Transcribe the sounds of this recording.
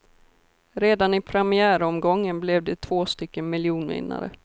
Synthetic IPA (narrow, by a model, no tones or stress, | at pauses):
ɾeːd̪anɪpʰɾɛmɪæːɾɔmɡɔŋːənblɛvd̪ɛt̪ʰv̥oːst̪ʏkːənmɪljuːnvɪ̰nːa̰ɾə̰